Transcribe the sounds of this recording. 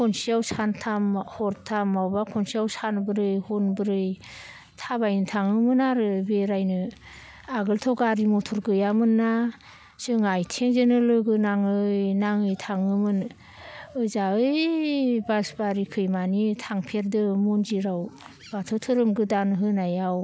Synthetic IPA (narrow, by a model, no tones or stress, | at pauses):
kʰɔnsiawsantʰamhɔɾtʰamawbakʰɔnsiawsanbɯɾɯjhɔnbɯɾɯj | tʰabajnɯtʰaŋɯmɯnaɾɯbeɾajnɯ | aɡɯltʰɔwɡaɾimɔtʰɔɾɡɯjamɯnːa | sɯŋajtʰeŋzenɯlɯɡɯnaŋɯjnaŋɯjtʰaŋɯmɯn | ɯzaɯjbasbaɾikʰɯjmanitʰaŋpʰeɾdɯmɔnziɾaw | b̥atʰɔtʰɯɾɯmɡɯdanɦɯnajaw